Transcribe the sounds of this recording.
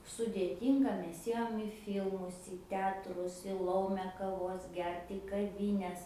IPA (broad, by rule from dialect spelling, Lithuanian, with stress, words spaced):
sʊdʲeːˈtʲiːŋɡɐ ˈmʲɛs ˈeːjoːm ɪ ˈfʲiːlˠmʊs iː ˈtʲɛɐtrʊs ɪ ˈlˠɐʊmʲɛ kɐˈʋoːs ˈɡʲɛrt iː kɐˈʋʲɪnʲɛs